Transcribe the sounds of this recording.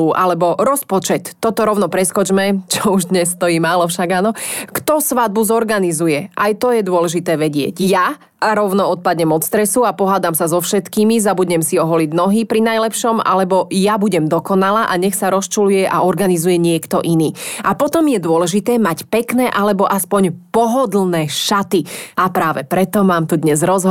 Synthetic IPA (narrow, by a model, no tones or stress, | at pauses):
uʔalɛbɔɾɔspɔt͡ʃɛt̪ːɔt̪ɔɾɔʊnɔpɾɛskɔt͡ʃmɛt͡ʃɔuʒd̪ɲɛsːt̪ɔjiːmaːlɔfʃaɡanɔkt̪ɔsʋad̪̚buzɔɾɡanizujɛʔajt̪ɔjɛd̪ʊɔlɛʒit̪ɛːʋɛɟɪɛ̰ɟja | ɾɔʊnɔɔt̪̚pad̪ɲɛmɔt͡sst̪ɾɛsuapɔɦaːd̪amsazɔfʃɛt̪kiːmizabuɟɲɛmsiɔɦɔliɟnɔɦipɾinajlɛpʃɔma̰lɛbɔjabuɟɛmd̪ɔkɔnalaʔaɲɛxsaɾɔst͡ʃulujɛʔaɔɾɡanizujɛɲɪɛkt̪ɔʔiniːapɔt̪ɔmjɛd̪ʊɔlɛʒit̪ɛːmacpɛknɛːʔalɛbɔʔaspɔɲpɔɦɔd̪l̩ˠnɛːʃat̪iapɾaːʋɛpɾɛt̪ɔmaːmt̪ud̪ɲɛzɾɔzɦ